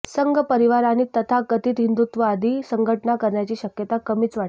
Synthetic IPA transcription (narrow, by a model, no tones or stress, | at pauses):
səŋɡəpəɾiʋaɾañiːt̪ət̪ʰakət̪iːt̪ɦind̪ut̪ʋəad̪ʱiːsəŋɡʱəʈɳakəɾɳjat͡ɕiːɕəkjət̪akəmiːt͡sʋaʈ